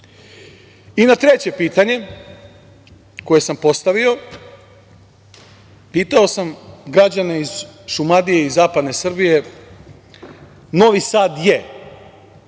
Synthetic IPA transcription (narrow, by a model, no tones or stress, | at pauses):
inat̪ɾe̞t͡ɕe̞piːt̪aɲe̞ | ko̞je̞sampo̞st̪aʋio̞ | piːt̪ao̞samɡɾad͡ʑane̞iz̥ʃumad̪ije̞izaːpad̪ne̞sr̩bije̞ | no̞ʋisaːd̪je